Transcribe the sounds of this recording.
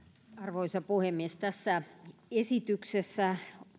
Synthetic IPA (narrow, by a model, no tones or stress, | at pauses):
ɑrʋoisɑpuhemːiest̪æsːæesit̪yksesːæ